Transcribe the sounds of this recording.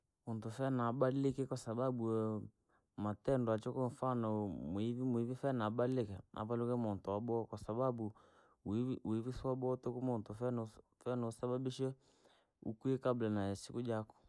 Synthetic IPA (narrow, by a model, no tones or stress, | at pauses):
muntufɛnaɓalɪkɛkwasababu | matɛndwat͡ʃɔkɔɱfanɔmʊivimʊivifɛnabalɪkɛʔa̰palukɛmɔntɔabɔkwasababu | ivisabɔtokumɔntʊfɛn | fɛnɔsababiʃɛ | ṵkuɛkablanaasikud͡ʒakɔ̥